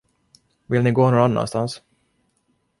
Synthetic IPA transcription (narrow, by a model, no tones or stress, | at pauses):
vɪlnɪɡoːnoːanːa̰nst̪ans